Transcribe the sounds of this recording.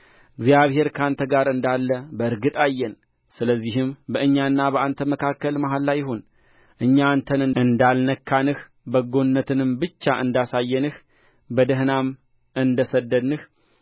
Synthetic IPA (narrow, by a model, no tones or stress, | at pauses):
ʔɨɡzijaβhe̞ɾkʰant̪ʰəɡaɾɨnd̪alːəbəɨɾɡɨt̪ʼajːɛn | sɨləzːihɨmbəʔɨɲːanːabəʔant̪ʰəməkʰakːəlmaɦalːajːɪɦo̞n | ʔɨɲːant̪ʰənɨɨnd̪alnəkʰːanɨh | bəɡo̞nnːət̪ʰɨnɨmbɨt͡ʃːaʔɨnd̪asajːɛnɨh | bəd̪əɦnam | ʔɨnd̪əsəd̪ːəd̪nːɨh